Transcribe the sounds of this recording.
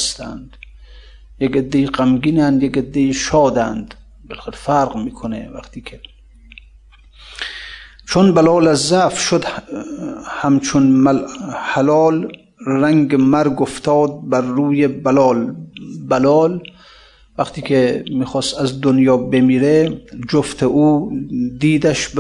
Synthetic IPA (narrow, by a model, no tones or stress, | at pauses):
st̪æ̰nd̪̥ | jeɡed̪ːeiqæmɡiːnænd̪jeked̪ːeiʃɒːd̪ænd̪ | belxelfæɾʁmiːkʰonḛvæ̰qt̪ʰiːkʰe | t͡ʃʰonbalɒːlæzæfʃod̪ | hæmt͡ʃʰon | halɒːl | ræŋɡemæɾɡoft̪ʰɒːd̪̚bæɾːuːjebælɒːlbælɒːl | væqt̪iːkʰemiːxɔːst̪æzd̪onjɒːbemiːɾed͡ʒoft̪ʰeʔuːd̪iːd̪æʃ